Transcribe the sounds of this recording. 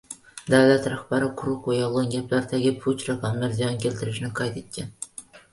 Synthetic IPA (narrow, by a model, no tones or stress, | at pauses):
d̪æwlæt̪ɾɑχbæɾɪqʰʊɾʊqojɑlˠɑŋɡʲæplæɾd̪ʰæɡʲɪpʰut͡ʃɾɑkʰɑmlæɾzijɑnkʲʰelt̪ʰɪɾɪʃɪnɪqʰɑjt̪ʰet̪̚kʲʰːɛn